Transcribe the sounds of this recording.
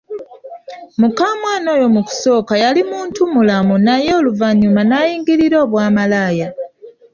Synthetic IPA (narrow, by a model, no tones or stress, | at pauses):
mukaːmwaːno̞ːjo̞muku̥so̞ːkajalimuːntumulamunajeːluvaɲumanajiːŋɡiɾiɾo̞ːβwaːmalaːja